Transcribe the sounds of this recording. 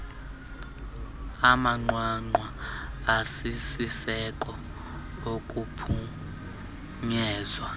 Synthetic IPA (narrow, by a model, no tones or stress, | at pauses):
amaŋ͡ǃwaŋ͡ǃwaː | sisisɛk̬ʼɔ | ok̬ʼupʰu | ɲɛːzwa